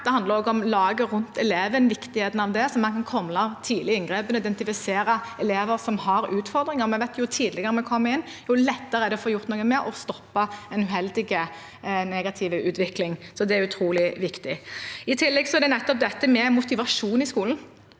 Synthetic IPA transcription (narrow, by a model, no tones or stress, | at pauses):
d̪ɛɑnd̪ləɾɔːɡɔmlɑːɡəɾʉnt̪ɛleːʋənʋɪkt̪ɪheːt̪n̩ɑʋd̪ɛsɔmːɛnkɑnkʰɔmːlɑt̪ʰiːd̪lɪɪŋɡʁeːpənɔɪd̪ɛnt̪ɪfɪseːɾəɛleːʋəɾsɔmhɑɾʉːt̪fɔʁd̪ɾɪŋəɾmɛɪʋæɪt̪jʊt̪ʰiːd̪lɪɡəʁəmɛkʰɔmːəɪnːjulɛt̪ːəɾəɛɾd̪ɛfoːɾjʊʁt̪nːɡəmɛʔɔst̪ɔpːɑɛnʉɦɛld̪ɪɡə | nɛɡɑt̪ʰɪʋəʉːt̪ʋɪklɪŋsɔd̪ɛæɾʉt̪ʰɾuːlɪʋɪkt̪ɪɪt̪ʰɪlːɛɡsɔæɾd̪ɛnɛt̪ːɔp̚d̪ɛt̪ːəmɛmʊt̪ɪʋɑʂuːnɪskuːln̩